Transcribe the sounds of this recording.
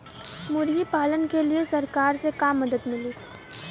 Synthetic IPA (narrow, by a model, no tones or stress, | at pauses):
mʊɾjipaːlənkeliesɐɾkaːɾsekaːmːɐd̪əd̪mɪliː